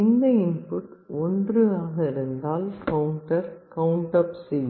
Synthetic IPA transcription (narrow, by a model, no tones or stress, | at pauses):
ɪnd̪ɐɪnpʊʈːɔndrɯaːɣɐɪɾɯnd̪aːlkɐwʊɳʈɐɾkɐwɳʈɐpsi